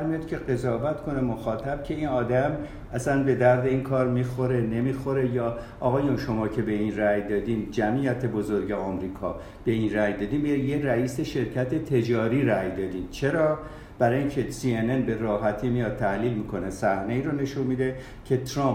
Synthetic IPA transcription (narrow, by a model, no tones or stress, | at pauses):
æɾmijɒːd̪kʲʰe̞ɣe̞zɒːvæt̪kʰo̞nemoxɒːt̪ʰæb̥̚cʰe̞iːnɒːd̪æm | æsænbe̞d̪æɾd̪e̞iːnkʰɒːɾmixo̞ɾe̞ne̞miːxo̞ɾe̞jɒː | ɒɣɒːjunʃo̞mɒːcʰe̞be̞inræjd̪ɒːd̪iːmd͡ʒæmʔiːjæt̪ʰe̞bozoɾɟeɒːmɾiːkʰɒ̰ː | b̥e̞inræjd̪ɒːd̪imːijeræiːse̞ʃe̞ɾcʰæt̪ʰe̞t̪ʰe̞d͡ʒɒːɾiːɾæjd̪ɒːd̪imt͡ʃʰeɾɒː | b̥æɾɒːiŋcʲʰe̞siːenenbe̞ɾɒːɦæt̪ʰiːmijɒːd̪̚t̪ʰæhliːlmiːkʰo̞nesæhne̞iːɾone̞ʃunmid̪e̞ | cʰe̞t̪ʰɾɑm